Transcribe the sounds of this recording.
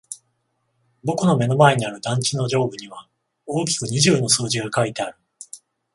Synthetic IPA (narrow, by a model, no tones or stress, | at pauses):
bo̞kɯno̞me̞no̞mae̞ɲ̟iaɾɯ̟d̪ãɲ̟t͡ɕino̞ʑo̞ːbɯ̟ɲ̟iβa | o̞ːkʲi̥kɯ̟ɲ̟iʑɨːno̞sɨːʑiɡakait̪e̞aɾɯ̟